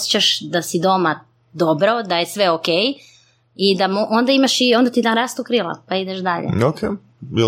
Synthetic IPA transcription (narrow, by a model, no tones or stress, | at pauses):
set͡ɕaʃd̪asid̪o̞ma | d̪o̞bɾo̞d̪aje̞sʋeokej | id̪amoʔond̪aimaʃio̞nd̪at̪id̪anɾast̪ukɾilˠa̰paid̪eʃd̪aʎḛokʰe | bi